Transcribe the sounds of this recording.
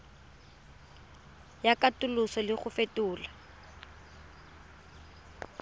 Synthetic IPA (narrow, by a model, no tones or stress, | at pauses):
jakʼatʼʊlʊsɔlɪχʊfetʊːla